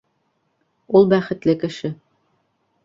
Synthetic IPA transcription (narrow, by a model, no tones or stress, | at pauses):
ulˠbæχɘ̆t̪lɘkɘ̆ʃɘ